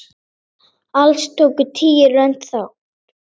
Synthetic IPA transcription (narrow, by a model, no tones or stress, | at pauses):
alst̪ʰoːkʏt̪ʰiːɪɾœn̥t̪θaw